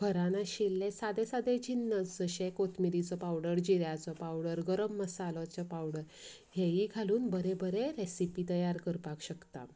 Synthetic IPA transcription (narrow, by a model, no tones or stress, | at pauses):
bʱəɾanaɕilːesad̪esad̪ed͡ʑinːət͡sd͡zəɕekot̪ʰmiɾit͡sɔpawɽəɾd͡ʑiɾjat͡sɔpawɽəɾɡəɾəmːəsalɔt͡ɕapawɽəɾ | ɦeɦikʰaluːnbəɾebəɾeɾesipit̪əjaɾkəɾpakɕəkt̪a̰